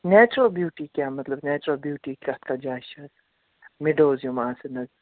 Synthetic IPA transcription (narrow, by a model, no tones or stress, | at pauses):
nɛːt͡ʃɾoːbjuːʈikjaːmɐt̪lɐbneːt͡ʃɾoːbjuːʈikɐt̪kad͡ʒaːʃɐn | mɪɖoːzjomaːsenɐz